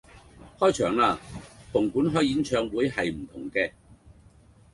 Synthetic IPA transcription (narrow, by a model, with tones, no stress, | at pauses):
hɔː˥jt͡ʃʰœː˨˩ŋlaː˧pʰʊ˨˩ŋkuː˨˥nɦɔː˥˩ji˨˥nt͡ʃʰœː˨˧ŋwuː˨˥jɦɐ˨jm̩˨˩t̪ʰʊ̰˨˩ŋkɛː˧